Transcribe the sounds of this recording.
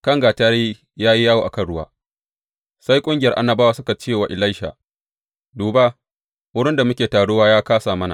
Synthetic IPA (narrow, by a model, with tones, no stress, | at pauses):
kɐ˦˨ŋɡaː˨taː˦ɾiː˦ | jaː˦ji˦jaː˦woː˨ʔa˨kɐ˦˨nɽʊ˦wa̰ː˦ | sa˦jkʷʼʊ˦ŋɡʲɪ˦jɐ˨rʔa˦nːɐ˨baː˦wa˨sʊ˦ka˨t͡ʃeː˦˨wa˨ʔɪ˨la˦jʃa̰ː˨ | duː˨ba˦ | wʊ˦ɽɪ˦nda˨mʊ˦kʲeː˨taː˨ɽo˦waː˦jaː˦kaː˦saː˨mɐ˦na̰˨